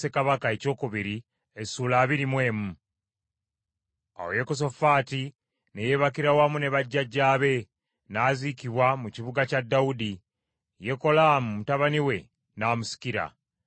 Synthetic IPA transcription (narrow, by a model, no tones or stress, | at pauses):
se̞kaβakae̞co̞ːkuβiɾi | esuːlaːβiɾimwe̞ːmu | a̰woje̞kos̬o̞faːti | neje̞βakiɾawamune̞βaɟːaɟːaːβe̞ | naːzikiβwamuciβuɡacadːaudi | je̞ko̞lamumutaβaniwe̞ | naːmusi̥kiɾa̰